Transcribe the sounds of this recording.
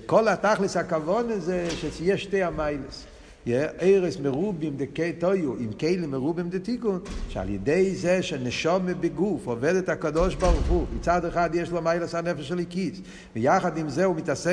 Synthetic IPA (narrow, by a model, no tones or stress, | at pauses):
kɔlˠataχlˠɪsakavɔnəzɛʃɛsjɛʃteɪamaɪlˠəs | jɛʔeɪɾoɪsməɾubɪmdɪketoɪuɪmkeɪlˠimːəʁubɪmdɪtikʊnʃa̰lˠjə̰deɪzɛʃɛnɛʃɔməbɪɡufɔvɛdətakadɔʃbɔʁχumɪt͡sadəχadjɛʃlˠɔmaɪlˠəsanɛfəʃalˠikis | vɪjaχadɪmzɛʊmɪtase